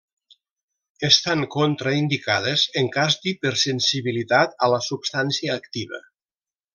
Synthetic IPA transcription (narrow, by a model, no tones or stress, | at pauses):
est̪aŋkont̪ɾaind̪ikaðezəŋkazd̪ipəɾsensiβilit̪at̪ələsubst̪ansiəːkt̪iβə̰